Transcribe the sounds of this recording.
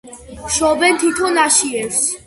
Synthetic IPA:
ʃɔbɛnt̪ʰit̪ʰɔnaʃiɛfs

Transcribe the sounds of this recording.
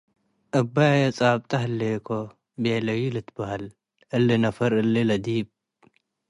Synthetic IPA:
ʔɐbːajjɐt͡sʼaːb̚t̪ʰʼɐɦlːekʰo | beːlɐwilɨt̪bɐhal | ʔɨlːinɐfɐɾɨlːilɐd̪iːb̚

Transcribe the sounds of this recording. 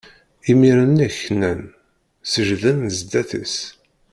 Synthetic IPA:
imiɾənːæçnæn | səʒðənzd̪æθə̰s

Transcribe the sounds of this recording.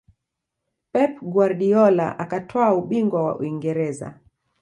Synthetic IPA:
pɛpɡwaɾɗiɔla̰ʔakatʰɔauɓiŋɡwawa̰ʔṵiŋɡɛɾɛza̰

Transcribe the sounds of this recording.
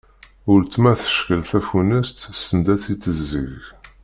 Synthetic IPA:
ʊɾt̪ːmæθə̥ʃkəlθæfunəst̪sənd̪æθit̪ːəzːə̰ʝ

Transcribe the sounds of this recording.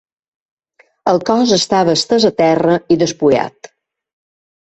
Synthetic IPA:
əlˠkɔzəst̪aβəːst̪əzət̪ɛrəiðəspuja̰t̪

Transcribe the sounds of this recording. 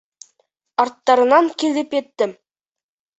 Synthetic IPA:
ɑrt̪ːɑɾɤ̆nɑnkʲilʲɘ̆pet̪ːɘ̆m

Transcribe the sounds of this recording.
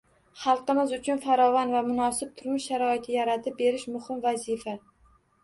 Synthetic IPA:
χɑlˠqɨmɪzʊt͡ʃʰʊnfaɾɒvanvamʊnɒsɪp̚t̪ʰʊɾmɪʃʃaɾɒɪt̪ʰɪjaɾat̪ʰɪp̚be̞ɾɪʃmʊhɪmvazifa

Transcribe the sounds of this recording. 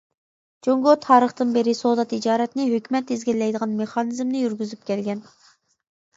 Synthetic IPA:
d͡ʒoŋɡot̪ʰɑːɾəχt̪ɨnbɪɾɪsod̪ɑt̪id͡ʒɑːɾɛt̪nɪɦøkʲymɛt̪izɡʲilːɛjd̪əʁɑnmeχɑːnɨzmnɪjyɾɡʲyzyp̚kʲʰɛlɡʲɛn

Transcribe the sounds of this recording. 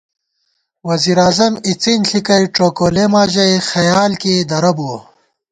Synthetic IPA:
wɐziːɾaːzɐmit͡sinɬikɐjʈ͡ʂoːkoːlemaːd͡ʑɐjxɐjaːlkeːd̪ɐɾɐbuo

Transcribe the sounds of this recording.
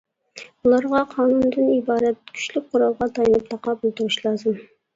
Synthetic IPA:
ulˠɑɾʁɑqʰɑːnund̪ɨnibɑːɾɛt̪kʲʰy̥ʃlyk̚ʲqʰʊɾɑlˠʁɑt̪ʰɑjɑnɨp̚t̪ʰɑqɑbolˠt̪uɾuʃlˠɑzɨm

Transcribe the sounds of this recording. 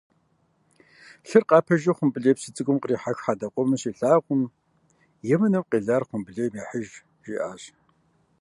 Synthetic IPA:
ɬɨrqɑːpʰɐʒiχʷʊmbɨɮeːpsɨt͡sʼɨɡʷʼʊmqəriːħaxħaːdɐqʷʼɔmɨɕiːɬaːʁʷʊm | jɛmɨnɨmqʼiːɮaːrχʷʊmbɨɮeːmiːħəʒ | riːʔaːɕ

